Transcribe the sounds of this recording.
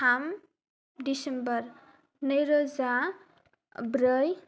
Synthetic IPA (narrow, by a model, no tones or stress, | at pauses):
am | ɖisembʌɾ | nʌjɾod͡za | bɾʌj